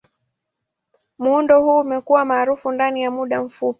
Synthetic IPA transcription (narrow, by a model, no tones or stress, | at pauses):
muundɔhuːmɛkuwamaːɾufundanijamuɗam̩fupi̥